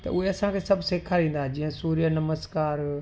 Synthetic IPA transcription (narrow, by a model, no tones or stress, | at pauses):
t̪ɐ̰ʊɦeɐsãkʰeːsɐbʱseːkʰaɾĩːn̆d̪aɦed͡ʑĩɦə̃suːɾijənɐməskaːɾ